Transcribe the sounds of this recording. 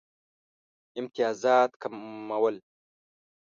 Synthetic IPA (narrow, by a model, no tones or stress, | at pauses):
ɪmt̪ijaːzaːt̪kʰamɐwɐl